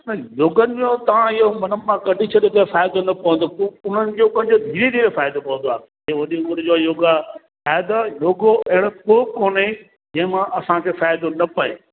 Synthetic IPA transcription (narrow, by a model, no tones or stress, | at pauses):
nɐjoːɡənɪ̆mõt̪ɐʋ̤ãɪɦomɐnəmãkɐɖʱit͡ɕʰɐɗet̪ɐfaːjd̪onɐpɐʋə̃nd̪opʊʊn̤ənɪ̆d͡ʑoːkə̃n̆d͡ʑoːd̪ʱiːɾed̪ʱiːɾefaːɪjd̪opɐʋə̃nd̪oaː | eʋɐɗiɽɪd͡ʑoːjoːɡa | faːjd̪ojoːɡoɐɦɪɽopoːkoːne | d͡ʑɛ̃ːɪ̃mãʔɐsãkʰeːfaːjd̪onɐpɐḛ